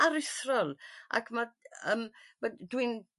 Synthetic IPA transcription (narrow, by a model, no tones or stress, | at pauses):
aɾɪθrɔlˠʔa̰kʰmaəːmmadwin